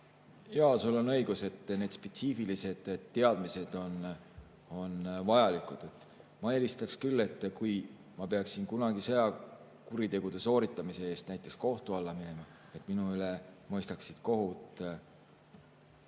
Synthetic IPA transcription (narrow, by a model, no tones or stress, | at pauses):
jɑːsulo̞nɤ̞jɡ̥use̞t̪ːne̞ːd̪̥spe̞t̪siːfilise̞d̪̥dt̪ːe̞ɑd̪̥mise̞d̪̥o̞n | o̞nvɑjɑlikud̪̥e̞t̪ːˑ | mɑe̞list̪ɑkskylːe̞t̪ːˑkuj | mɑpe̞ɑksinkunɑɡ̥isejɑ | kuɾit̪e̞ɡ̥ud̪̥e̞so̞ːɾit̪ːˑɑmise̞e̞ːst̪næjt̪ːˑe̞ksko̞ht̪uɑlːɑmine̞mɑ | e̞t̪ːˑminuyle̞mɤ̞jst̪ɑksid̪̥ko̞ɦut̪ˑ